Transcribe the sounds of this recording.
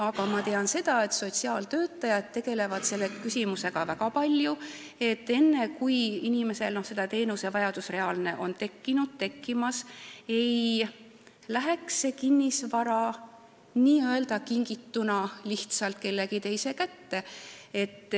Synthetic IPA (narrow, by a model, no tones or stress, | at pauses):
ɑɡɑmɑt̪e̞ɑnse̞d̪̥ɑe̞t̪so̞t̪siɑːlt̪ø̞ːt̪ːˑɑjɑd̪̚t̪e̞ɡ̥e̞le̞vɑd̪̥se̞lːekysʲimuse̞ɡ̥ɑvækɑpɑlʲju | e̞t̪ːe̞nːe̞kujinime̞se̞lnohse̞d̪̥ɑt̪e̞ːnuse̞vɑjɑd̪usre̞ɑːlne̞ʔo̞nt̪e̞kːinud̪̥̚t̪e̞kːimɑse̞j | læɦe̞kse̞kinːisvɑɾɑ | niːøe̞ld̪ɑkiŋɡ̥it̪ːunɑliht̪sɑlt̪̚ke̞lːeɡit̪e̞jse̞kæt̪ːe̞e̞t̪ːˑ